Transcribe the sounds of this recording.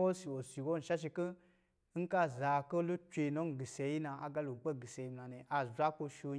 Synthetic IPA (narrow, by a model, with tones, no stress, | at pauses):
wo˦si˨wo˨si˨wo˦n̩˨ʃa˦ʃ̬i˧kə˦ | ŋ̩˦ka˦za˨ko˦lu˦t͡ʃʲʷe˧˨no˦n˦˨ɡi˨se˧˨˦ji˦na˧a̰˨ɡa˧˦lo˨k͡pe˦˨ɡi˨se˨i˧m˨na˨ne˨ʔa˧zʷa˦ko˧ʃo˧